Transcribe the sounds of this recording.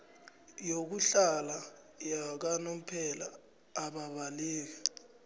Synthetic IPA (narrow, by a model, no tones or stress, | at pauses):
jok̬uɬala | jak̬anom̩pʰɛla̰ː | ɓaɓaliːk̬ɛ